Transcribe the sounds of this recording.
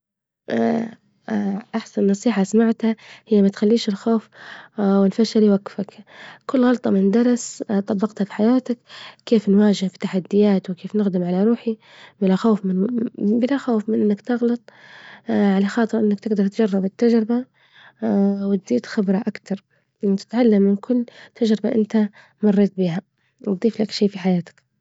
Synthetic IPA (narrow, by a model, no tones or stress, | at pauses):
ʔ | ʔaħsannːɑsˤiːħasamaʕt̪hahɪjːamat̪xalːiːʃɪlxoːf | wɪnfaʃaliwaɡfakkʊlːɣɑlt̪ˤɑmɪnd̪ɑɾˤɑst̪ˤɑbːɑqt̪hafi̥ħajaːt̪akːeːfnwaːd͡ʒɪhfi̥t̪ːaħad̪ːɪjaːt̪wɪkeːfnɪɣd̪ɪmʕalaɾuːħi | bɪlaxoːfɪbɪlaxoːfmɪnʔɪnːakt̪ɑɣlɑt̪ˤ | ʕalaxɑːt̪ˤɨɾʔɪnːakt̪ɪɡd̪ɑɾˤt̪d͡ʒɑrˤːɑbɪt̪ːad͡ʒɾɪba | wɪt̪̚d̪iːt̪xɪbɾˤɑʔakt̪ɑɾˤ | ʔɪnt̪ɪ̥t̪ʕalːamːɪnkʰʊlːt̪ʰad͡ʒɾɪbaʔɪnt̪a | mɑrˤːeːt̪̚biːɦa | wd̪ˤiːflakʃiːfiħajaːt̪ḁk